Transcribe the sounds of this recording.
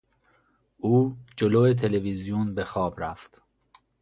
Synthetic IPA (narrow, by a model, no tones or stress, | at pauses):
uːd͡ʒoloːet̪ʰe̞levizijunbe̞xɒːbɾæft̪